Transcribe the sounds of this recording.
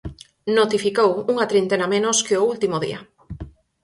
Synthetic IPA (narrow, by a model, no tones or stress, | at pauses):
not̪ifikowuŋɐt̪ɾint̪enamẽnoskeoult̪imoðḭɐ